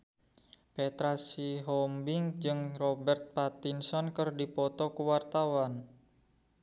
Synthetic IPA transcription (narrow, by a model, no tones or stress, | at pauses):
pet̪ɾasiɦɔmbɪŋd͡ʒɨŋrɔbɛrt̪̚pat̪insɔnkərdipɔt̪ɔkuwart̪awan